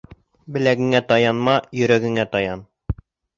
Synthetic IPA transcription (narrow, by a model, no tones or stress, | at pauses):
bɘ̆læɡɘ̆ŋæt̪ɑjɑnmɑjɵ̆ɾæɡɘ̆ŋæt̪ɑjɑn